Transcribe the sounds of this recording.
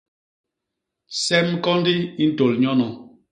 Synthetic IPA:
sɛ˦m˦kɔ˦n˦di˦i˦n̩˦to˨lɲɔ˦nɔ˨

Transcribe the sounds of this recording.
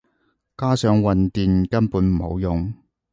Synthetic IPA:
kaː˥sœː˨˧ŋwɐ˨nt̪iː˨nkɐ˥npuː˨˥nm̩˨˩ho̰˨˧wjʊ˨ŋ

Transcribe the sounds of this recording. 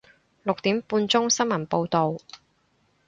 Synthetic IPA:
lʊ˨k̚t̪iː˨˥mpuː˧nt͡sʊ˥ŋsɐ˥nmɐ˨˩npo˧wt̪o˨w

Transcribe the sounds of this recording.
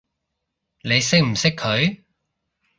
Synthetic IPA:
ne˨˧jsɪ˥k̚m̩˨˩sɪ˥kʰɵ˨˧ɥ

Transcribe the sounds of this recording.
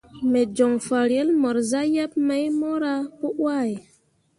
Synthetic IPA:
me˨d͡ʒɔ˨ŋfa˨ɾjɛ˦lmɔ˨ɾza˦ja˦p̚ma˨˦jmo˦ɾa˦pu˦ʔwa˦˨j

